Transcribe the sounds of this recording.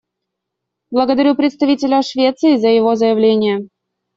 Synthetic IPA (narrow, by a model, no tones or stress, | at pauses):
blˠəɡəd̪ɐɾʲupɾʲɪt̪st̪ɐvʲitʲɪlʲəʂvʲe̞t̪sɨɪzəjɪvozəjɪvlʲenʲɪjə